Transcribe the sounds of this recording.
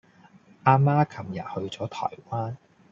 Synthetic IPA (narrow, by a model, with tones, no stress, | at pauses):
ʔaː˧maː˥kʰɐ˨˩mjɐ˨˩t̚hɵ˧ɥt͡sɔː˨˥t̪ʰɔ̰ː˨˩jwaː˥n